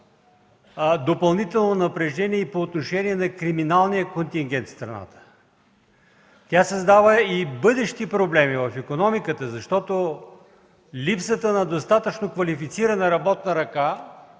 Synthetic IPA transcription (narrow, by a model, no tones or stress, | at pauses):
d̪opɐlˠnit̪ɛlˠnonɐpɾɛʒd̪ɛniɛipoːt̪noʃɛniɛnɐkɾiminalˠnijəkont̪ʲiŋɡʲɛnt̪st̪ɾɐ̰na̰t̪ə̥ | t̪ʲasəzd̪avəibɤd̪ɛʃt̪ipɾoblɛmivɐfikonɔmikət̪əzɐʃt̪ɔt̪o | lipsət̪ənɐd̪ost̪at̪ət͡ʃnokvɐlifit̪siɾənɐɾɐbɔt̪̚nəɾɐka